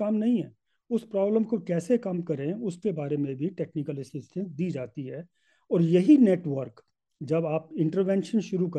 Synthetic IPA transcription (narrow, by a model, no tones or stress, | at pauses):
aːmnɐɦĩɦɛː | ʊspɾɔːbləmkokɛːsekɐmkɐɾẽʊskebaːɾemẽbʱiʈɛːknɪkəlɪsɪsʈə̃nsd̪iːd͡ʒaːt̪iɦɛː | ɔːɾjɐɦineːʈʋəɾk | d͡ʒɐbaːp̚ɪ̃ɳʈəɾʋɛ̃ːnʃənʃʊɾukɐ